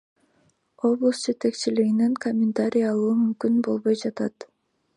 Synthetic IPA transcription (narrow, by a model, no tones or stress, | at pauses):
o̞blˠəsd͡ʒe̞t̪e̞kt͡ʃiliɡineŋkomʲːɪnt̪aɾʲijɑlˠuːmymkynbo̞lˠβo̞jd͡ʒɑt̪ɑt̪